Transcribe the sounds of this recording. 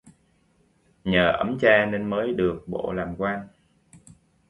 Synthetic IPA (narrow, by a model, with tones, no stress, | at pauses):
ɲəː˨˩ʔə˨˦mt͡ɕaː˧ne˧nməː˨˦jɗɨ˨˩ək̚ɓo̰˧˨laː˨˩mkwaː˧n